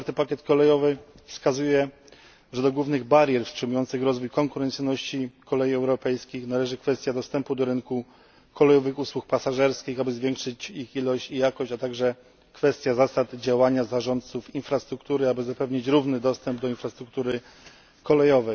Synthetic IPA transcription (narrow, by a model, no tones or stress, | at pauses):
aɾt̪ɘpakʲjɛt̪kɔlɛjɔvɘ | fskazujɛ | ʐɛd̪ɔɡwuvnɘɣbaɾʲjɛɾfstʂɘmujɔnt̪sɘxɾɔzvujkɔŋkuɾɛnt̪sɘjnɔɕt͡ɕikɔlɛjiɛwɾɔpɛjskʲixnalɛʐɘkfɛst̪ʲjad̪ɔst̪ɛmpud̪ɔɾɘŋku | kʰɔlɛjɔvɘxuswuk̚pasaʐɛɾskʲixabɘzvʲjɛŋkʂɘt͡ɕixilɔɕt͡ɕijakɔɕt͡ɕat̪aɡʐɛ | kfɛst̪ʲjazasad̪d͡ʑawaɲazaʐɔnt̪t̪sufinfɾast̪ɾukt̪uɾɘabɘzapɛvɲit͡ɕɾuvnɘd̪ɔst̪ɛmbd̪ɔinfɾast̪ɾuk̚t̪uɾɘ | kɔlɛjɔvɛj